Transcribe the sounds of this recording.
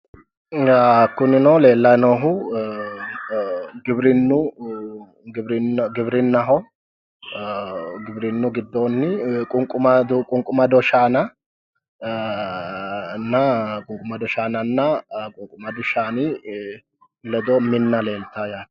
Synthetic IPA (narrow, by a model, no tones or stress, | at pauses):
kːʊnɪnoːle̞ːlːɐnoːɦʊ | ɡɪbɾɪnːʊ | ɡbɾɪɡɪbɾɪnːɐɦɔ | ɡɪbɾɪnːʊɡɪd̪ːoːnːɪkʼʊŋkʼʊmɐd̪kʼʊŋkʼʊmɐd̪ɔʃaːnɐ | nːɐkʼʊŋkʼʊmɐd̪ɔʃaːnɐnːɐkʼʊŋkʼʊmɐd̪ʊʃaːnɪ | lɛd̪ɔmɪnːɐle̞ːlt̪ajaː